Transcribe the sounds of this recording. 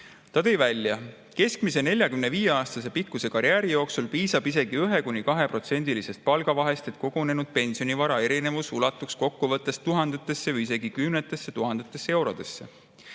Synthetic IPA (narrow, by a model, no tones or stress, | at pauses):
t̪ɑt̪e̞jvælʲjɑ | ke̞skmise̞ne̞lʲjɑkymne̞viːje̞ɑːst̪ɑse̞pikːuse̞kɑɾjæːɾijo̞ːksulpiːsɑbise̞ɡ̥iyɦe̞kunʲikɑɦe̞pro̞t̪se̞nʲd̪̥ilise̞st̪̚pɑlɡ̥ɑvɑɦe̞st̪e̞t̪̚ko̞ɡ̥one̞nud̪̥̚pe̞nʲsio̞nʲivɑɾɑe̞ɾine̞vusulɑt̪ːˑuksko̞kːuvɤt̪ːˑe̞st̪uɦɑnd̪̥et̪ːˑe̞sːe̞vɯise̞ɡ̥ikymnet̪ːˑe̞sːet̪uɦɑnd̪̥et̪ːˑe̞sːee̞wɾo̞d̪̥e̞sːe̞̰